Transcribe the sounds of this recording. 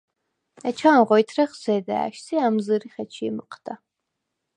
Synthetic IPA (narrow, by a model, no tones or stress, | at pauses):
ɛt͡ʃʰamʁɔit̪ʰɾɛχz̥ɛd̪ɛ̰ːʃsiamzɨɾiχɛt͡ʃʰiːmɔqʰd̪̥a